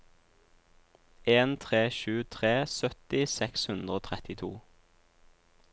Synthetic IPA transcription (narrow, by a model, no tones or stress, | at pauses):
ʔeːnt̪ʰʁeːʃʉːt̪ʰʁeːsœt̪ɪsɛkshʉnd̪ʁoːt̪ʰʁɛt̪ɪt̪ʰuː